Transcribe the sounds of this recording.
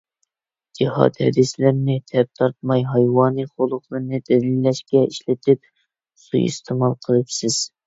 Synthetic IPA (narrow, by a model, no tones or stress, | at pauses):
d͡ʒihɑ̰t̪hɛ̰d̪ɪslɪɾnɪt̪ʰɛp̚t̪ʰɑɾt̪̚mɑjɦɑjwɑːnɨχolˠʊχlˠɨɾnɨd̪ɛd̪ilːɛʃkʲɛiʃlɪt̪ʰɪp̚ | sṵjḭst̪ʰɪmɑlˠqʰəlˠɨpsɪz̥